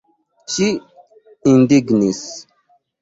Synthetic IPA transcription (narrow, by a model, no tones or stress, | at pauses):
t͡ʃi | indiɡnis